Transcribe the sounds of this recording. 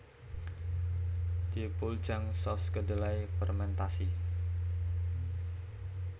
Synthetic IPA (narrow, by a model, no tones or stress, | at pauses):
d̪̥ipul̥d͡ʒaŋsɔskədəlaifɛrmɛnt̪asi